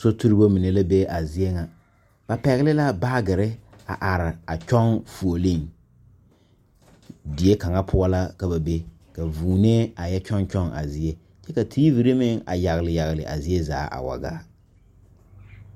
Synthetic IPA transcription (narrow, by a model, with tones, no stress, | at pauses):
so˦tu˦ɾi˦bo˦mi˨ne˨la˦be˦ʔa˨zi˦e˦ŋa˨ | b̥a˨pɛ˨ɣɪ˦lɪ˦la˦ba˦ɡɪ˨ɾɪ˦ | a˨ʔa˨ɾɪ˨a˨t͡ʃɔ˦ŋfu˨o˨lɪ˦ŋ | dɪ˨e˦ka˨ŋa˦pʰʊ˦a˦la˦ka˨ba˨be˦ | ka˨vuː˨ne˦a˨jɛ˦t͡ʃɔ˦nt͡ʃɔ˦ŋʔa̰˨zɪ˦e˦ | t͡ʃɛ˦ka˨tʰiː˦vi˨ɾe˦mɪ˦ŋa̰˨ja˨ɣɪ˨lɪ˨ja˨ɣɪ˨lɪ̰˨ʔa̰˨zɪ˦e˦za̰ː˦ʔa̰˨wa̰˨ɡa̰ː˦